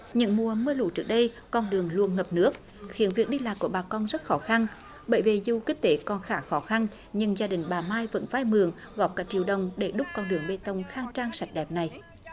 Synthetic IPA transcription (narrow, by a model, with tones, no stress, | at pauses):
ɲɨ̰˧˥ŋmu˨˩əməː˧lṵ˧˨˦t͡ɕɨ˦˥ək̚ɗə˧j | kɔ˧nɗɨ˨˩əŋlu˧ənŋə˨˩p̚nɨ˦˥ək̚ | xi˨˦ənvi˨˩ək̚ɗi˧laː˨jku˧˩əɓaː˨˩kɔ˧nzə˦˥t̚xɔ˨˦xa˧n | ɓə̰ː˧˨˩jve˨˩zu˨˧˩kï˦˥k̟̚t̪e˨˦kɔ˨˩nxaː˧˩xɔ˨˦xa˧n | ɲɨ˧ŋzaː˧ɗï˨˩ŋ̟ɓaː˨˩maː˧jvə̰˧˥nvaː˧jmɨ˨əŋ | ɣɔ˨˩p̚kaː˨˦˥k̚t͡ɕi˧˩əwɗə˨wŋ͡mɗe˧˩ɗʊ˦˥k͡p̚kɔ˧nɗɨ˨˩əŋɓe˧t̪ə˧˩wŋ͡mxaː˧ŋt͡ɕaː˧ŋsa˨˩jt̟̚ɗɛ˨˩p̚na˨˩j